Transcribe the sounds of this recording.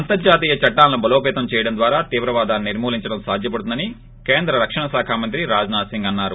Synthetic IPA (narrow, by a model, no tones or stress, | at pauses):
ɐnt̪ɐɾd͡ʒaːt̪iːjɐt͡ʃɐʈːaːlːɐnubʱɐloːpɛːt̪ɐmt͡ʃɛːjɐɽɐnd̪ʋaːɾaːt̪iːʋɾɐʋaːd̪aːniniɾmuːliɲt͡ʃɐɽɐmsaːd̪ʱjɐp̬ɐɽt̪und̪ɐni | keːnd̪ɾɐɾɐkʂɐɳɐsaːkʰaːmɐnt̪ɾiɾaːd͡ʒnaːsiŋɡɐnːaːɾṵ